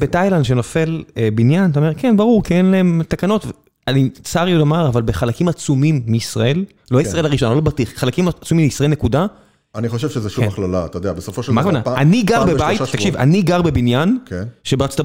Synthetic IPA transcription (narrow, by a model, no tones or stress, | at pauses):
betajland̪ʃenofe̞lebinjant̪aome̞kenbaʁuʁkienlae̞mt̪akano̞tve | anit͡saʁiulomaʁavalbeχalakimat͡sumimːiːsʁae̞l | loisʁaelaʁiʃonalobatiχχalakimat͡sumimiisʁaelne̞kuda | aniχoʃevʃezeʃumaχlala̰t̪ajodeabesofoʃmakvanaaniɡaʁbebajtt̪akʃiva̰niɡaʁbebinjankenʃebeʁatt͡so̥t̪a